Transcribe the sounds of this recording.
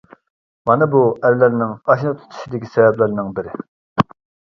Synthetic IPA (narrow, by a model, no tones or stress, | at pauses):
mɑnɨbuʔæɾlɪɾnɪŋɑʃnɨt̪ʰu̥t̪ʰu̥ʃid̪ɪkʲʰi̥sɛvɛplɪɾnɪŋbɪɾɪ